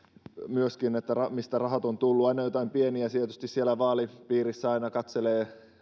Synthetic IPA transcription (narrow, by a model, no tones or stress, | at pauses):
myøskinet̪ːærɑmist̪ærɑhɑt̪ont̪ulːuɑinɑjot̪ɑimpieniæt̪iet̪yst̪issielːˑæʋɑːlipiːrisːæɑinɑkɑt̪seleː